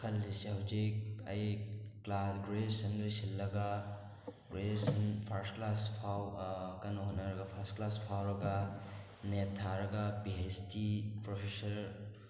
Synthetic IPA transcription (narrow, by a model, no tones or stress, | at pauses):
kʰɐlːisihɐwzikɐ̰jklasɡɾesɐndusilːɐɡɐ | ɡɾesɐnpʰɐɾstklaspʰawkɐnːɐɦonːɐɾɐɡɐpʰɐɾstklaspʰawɾɐɡɐ | netʰːaɾɐɡɐpiestipɾopʰesɐɾ